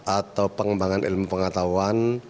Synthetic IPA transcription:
ʔat̪awpəŋəmbaŋanʔḭlmupəŋat̪awan

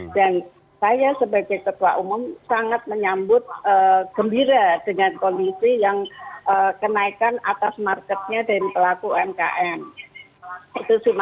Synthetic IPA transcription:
d̥an | sajasəbaɡajkət̪uaʔumʊmsaŋat̪̚məɲambʊt̪̚əːɡ̥əmbiɾad̥əŋankondisijaŋəkənaikana̰t̪asmarkɛt̪̚ɲadaɾipəlakuɛmka̰ʔɛm | it̪usim

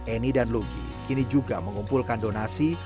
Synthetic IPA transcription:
ɛnidanluɡḭ | kinid͡ʒuɡaməŋumpulkandonasi

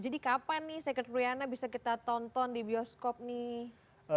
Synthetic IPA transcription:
d͡ʒadikapanːɪhsɛkət̪ɾuianabisakit̪at̪ɔnt̪ɔndibiɔskɔp̚nɪh

